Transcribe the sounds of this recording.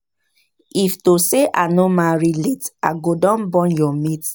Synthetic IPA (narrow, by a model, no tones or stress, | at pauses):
iftoseʔanomaɹilita̰ɡodɔ̃nbɔ̃njɔmit